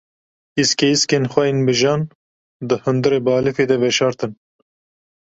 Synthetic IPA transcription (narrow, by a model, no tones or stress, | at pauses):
iskeiskeːnxʷɛjeːnbɨʒɑːn | d̪ɨhɨnd̪ɨɾeːbɑːlɨfeːd̪ɛvɛʃɑːɾt̪ɨn